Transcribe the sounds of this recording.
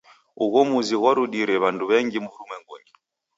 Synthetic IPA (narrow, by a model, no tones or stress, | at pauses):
uɣɔmuziɣwaɾuɗiɾɛβanduβɛŋɡimuɾumwɛŋɡɔ̰ŋɡi